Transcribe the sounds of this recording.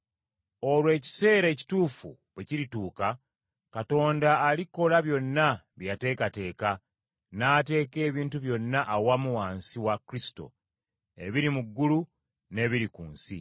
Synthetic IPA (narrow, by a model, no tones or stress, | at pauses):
o̞lwe̞ːci̥se̞ːɾeːci̥tuːfṵβwe̞ciɾituːka | kato̞ːndaːliko̞laβjo̞nːa | βjate̞ːkate̞ːka | naːte̞ːke̞ːβiːntuβjo̞nːaʔːwamuwaːnsiwakɾisto̞̰ | e̞̰βiɾimuɡːulu | ne̞βiɾikṵːnsḭ